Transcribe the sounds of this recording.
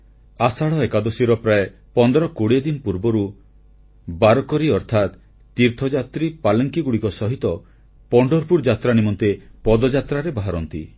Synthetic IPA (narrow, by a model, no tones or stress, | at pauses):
asaɭɔekad̪ɔsiɾɔpɾae | pɔnd̪ɔɾɔkoɽied̪inpuɾbɔɾu | baɾɔkɔɾiɔɾt̪ʰat̪ː | iɾt̪ʰɔd͡ʒat̪ɾipalɔŋkiɡuɽikɔsɔɦit̪ɔ | pɔɳɖɔɾpuɾd͡ʒat̪ɾanimɔnt̪epɔd̪ɔd͡ʒat̪ɾaɾebaɦaɾɔnt̪i